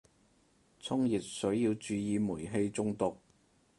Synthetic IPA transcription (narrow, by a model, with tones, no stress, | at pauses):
t͡sʰʊ˥ŋjiː˨t̚sɵ˨˥ɥjiː˧wt͡ʃyː˨˧jiː˨˧muː˨˩jɦe˧jt͡sʊ˧ŋt̪ʊ˨k̚